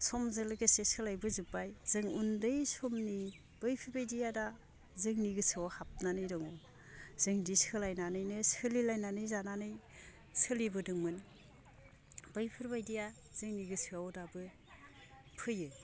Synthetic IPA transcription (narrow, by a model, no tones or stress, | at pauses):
sʰɔmzɯlɡɯsesɯlajbɯzupajz̥ɯŋundɯjsɔmni | b̥ɯjpʰɯɾbajdijada | zɯŋniɡɯsʰɯawhap̚nanɯjdɔŋɔ | z̥ɯŋdisɯlajnanɯjnɯsɯlilajnanɯjzananɯj | sɯlibɯdɯŋmɯn | bɯjpʰɯɾbajdija | z̥ɯŋniɡɯsʰɯawdabɯ | pʰɯjɯ